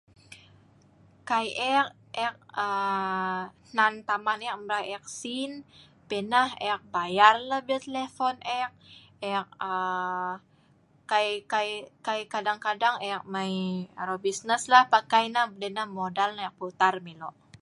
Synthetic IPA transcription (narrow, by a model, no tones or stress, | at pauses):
kajʔɛk | ɛk̚ə | nant̪amanak̚mbɾaɛk̚sin | penahɛk̚bajarlahbat̪elefɔnɛk̚ | ɛk̚ə | kajkajkajkadaŋkadaŋɛk̚majɾobisnəslahpakajnahbədɛnahmodalnajɛk̚put̪armiloʔ